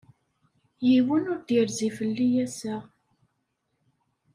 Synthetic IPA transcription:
jiwənʊɾd̪jəɾzifəlːijæsæ

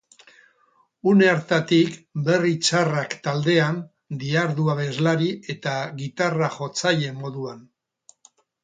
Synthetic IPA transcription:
uneaɾt̪at̪ikbe̞rit͡ʃarakt̪ald̪e̞an | d̪iaɾðuaβe̞zlaɾie̞t̪aɣit̪araʝo̞t͡sajʎe̞mo̞ðuan

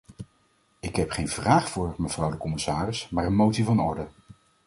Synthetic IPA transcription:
ɪkɦɛpχejnv̥raːχfʊːɹməv̥rʌwdəkɔmɪsaːrɪsmaːɹənmowtsivɑnɔɹdə

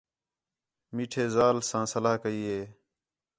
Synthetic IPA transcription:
miːʈʰeːzaːlsãːsəlaːkəiːɦeː

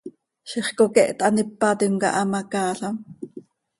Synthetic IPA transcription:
ʃiχkokɛʔt̪ɑnipːɑt̪imkɑ̰ʔɑmɑkɑːɬɑm

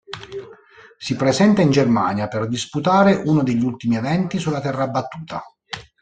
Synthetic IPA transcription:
sipɾezɛnt̪aind͡ʒermaːnjaperd̪isput̪aːɾeʔunod̪eʎːult̪imievɛnt̪isulːat̪ɛrːabːat̪ːuːt̪a

